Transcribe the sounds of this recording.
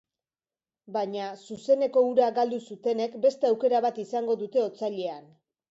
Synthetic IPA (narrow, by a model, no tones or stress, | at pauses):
baɲasuse̞ne̞ko̞uɾaɡald̪usut̪e̞ne̞kbe̞st̪eawke̞ɾaβat̪isaŋɡo̞ðut̪e̞o̞t͡saʎe̞an